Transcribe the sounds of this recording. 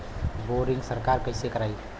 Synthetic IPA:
boɾiŋsəɾkaɾkəjsekəɾaj

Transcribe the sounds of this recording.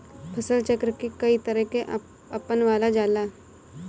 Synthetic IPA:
pʰɐsəlt͡ʃəkɾkekɐit̪əɾəɦkeʔ | ɐpənʋaːlad͡ʒaːlaː

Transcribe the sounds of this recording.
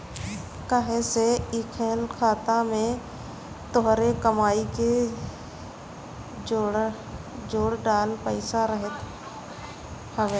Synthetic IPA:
kəɦẽseɪkʰeːlkʰaːt̪amẽ | t̪ɔɦɾekəmaːike | d͡ʒoːɽɖaːlpəɪsaɾəɦət̪ | həʋeː

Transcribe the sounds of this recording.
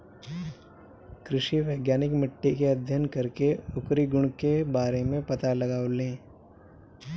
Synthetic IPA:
kɾɪʃiʋəɪɡjaːnɪkmɪʈːikeɐd̪ʱjənkɐɾkeʊkɾiɡʊɽ̃kebaːɾemẽpɐt̪alɐɡaːolẽː

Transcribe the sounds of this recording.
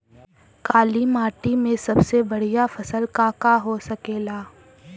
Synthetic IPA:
kaːlimaːʈimẽsɐbsebɐɽ̤ijafɐsəlkaːkaɦosɐkeːlaː

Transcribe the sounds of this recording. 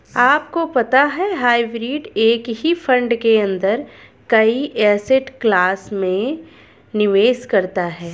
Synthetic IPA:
aːp̚kopɐt̪aɦɛɦaːɪbɾiːɖeːkɦifʰɐ̃ɳɖkeɐ̃nd̪əɾ | kɐiʔɛːsɪʈklaːsmẽ | nɪʋeːʃkɐɾt̪aɦɛː

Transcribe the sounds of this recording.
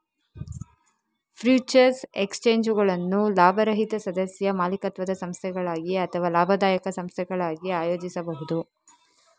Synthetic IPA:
pʰɾjuːt͡ʃɐɾsekst͡ʃeːɲd͡ʒuɡɐɭɐnːulaːbʱɐɾɐɦit̪ɐsɐd̪ɐsjɐmaːlikɐt̪ʋɐd̪ɐsɐmst̪ʰɛɡɐɭaːɡiɐt̪ʰɐʋaːlaːbʱɐd̪aːjɐkɐsɐmst̪ʰɛɡɐɭaːɡiaːjoːd͡ʒisɐbɐɦud̪u

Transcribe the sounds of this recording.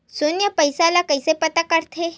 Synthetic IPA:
sonjəpəjsalakəjsepət̪akəɾt̪ʰe

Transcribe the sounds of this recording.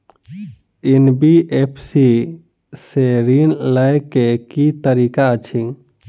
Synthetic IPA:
enbiʔepʰsi | seɾinləjkekit̪əɾikat͡ʃʰĩ

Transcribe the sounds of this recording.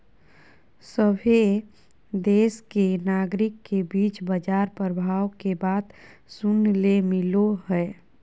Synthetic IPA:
səbʱe | d̪eːskenaːɡɾɪkːebiːt͡ʃbəd͡ʒaːɾpɾəbʱaːwkebaːd̪ | sʊnlemɪloɦɛ

